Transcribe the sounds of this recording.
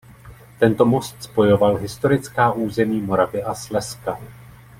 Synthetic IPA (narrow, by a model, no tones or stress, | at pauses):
t̪ɛnt̪o̞mo̞st̪spo̞jo̞valɦɪst̪o̞ɾɪt͡skaːʔuːzɛmiːmo̞ɾavɪʔaslɛska